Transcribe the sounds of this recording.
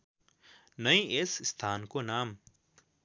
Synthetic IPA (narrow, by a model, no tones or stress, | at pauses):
nəĩʔesɪst̪ʰaːnkonaːm